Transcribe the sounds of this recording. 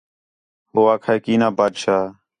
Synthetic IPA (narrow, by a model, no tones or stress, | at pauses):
hoːaːkʰaːekiːnãːbaːd̪ʃaː